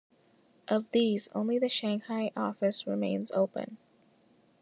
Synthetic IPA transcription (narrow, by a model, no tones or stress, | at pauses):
ʔʌvðiz̥õ̰ʊ̃nliðɨʃæ̃ŋhaɪʔɔfɨsɹɨmẽɪ̃nzo̰ʊpɨ̰̃n